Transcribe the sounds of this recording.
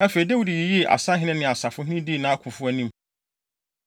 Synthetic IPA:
a˦fe˨i˨dæ˦wu˦˨di˨ji˦ji˦˨ʔa̰˨sa˦ɦɪ̃˦nɪ̃˦nɪ̃˨a˨sa˨fʊ˦ɦɪ̃˦nɪ̃˦di˦˨nã˦a˦kʰʊ̃˨fu˦æ˦nĩ˦m

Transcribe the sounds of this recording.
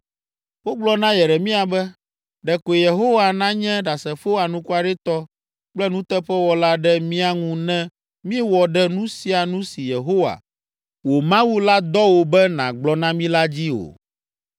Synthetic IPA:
wo˦ɡ͡blɔ˦nã˦jɛ˨ɖɛ˨mĩ˦a˨bɛ˦ | ɖɛ˨ko˨e˨je˨ɦo˦wa˨nã˦ɲɛ̃˦ɖa˨sɛ˨fo˦a˨nũ˦ku˦a˨ɖɛ˦t̪ɔ˦ | k͡plɛ˦nũ˦t̪ɛ˦ɸɛ˦wɔ˨la˦ɖɛ˦mĩ˦a˦ŋũ˦nɛ̃˦ | mĩ˦wɔ˨ɖɛ˦nũ˦si˦a˨nũ˦si˨je˨ɦo˦wa̰˨ | wo˨mã˦wu˦la˦d̪ɔ˦wo˨bɛ˦nã̰˨ɡ͡blɔ˨nã˦mĩ˦la˦d͡ʑi˦o̰˨

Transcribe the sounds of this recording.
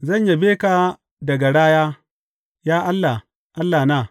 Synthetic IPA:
zɐ˦˨ɲja˨beː˦ka˨ | dɐ˨ɡa˨ɽaː˦jaː˦ | jaː˦ʔa˦lːa˨ | ʔa˦lːaː˨naː˦˨

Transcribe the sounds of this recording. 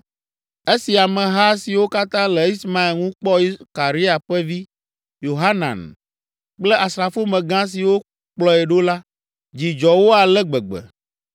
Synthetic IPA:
e˦si˨a˨mɛ̃˨ɦa˦si˨wo˦ka˦t̪ã˦le˨i˦sma˦e˨lŋũ˦k͡pɔ˦i˦ka˨ɾi˦a˨ɸɛ˦vi˦ | jo˨ɦa˦nã̰˨n | k͡ple˦ʔa˨sɾa˨fo˦mɛ̃˨ɡã˦s̬i˨wo˦ | k͡plɔ˨ɛ˨ɖo˦la˦ | d͡ʑi˨d͡ʒɔ˨wo˦a˨lɛ˦ɡ͡bɛ˨ɡ͡bɛ̰˨

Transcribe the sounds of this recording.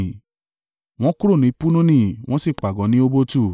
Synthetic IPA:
w̃ɔ̃˦ku˦ɾo˦˨nĩ˨˦pu˦nũ˦nĩ˦˨w̃ɔ̃˦si˦˨k͡pa˨ɡɔ̃˨˦nĩ˦o˦bo˦tu˦˨

